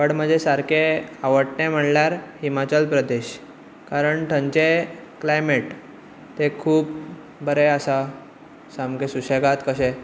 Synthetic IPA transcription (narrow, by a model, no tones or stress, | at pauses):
əɽm̤əd͡ʑʱesaɾkʰeaʋəʈnẽm̤əɽljaɾhimat͡ɕəlpɾəd̪eɕ | kaɾəɳʈ̪ʰəɲt͡ɕe | klajmeʈ | t̪ekʰuːp̚ | bəɾeəsa | samkesuɕeɡat̪kəɕɛ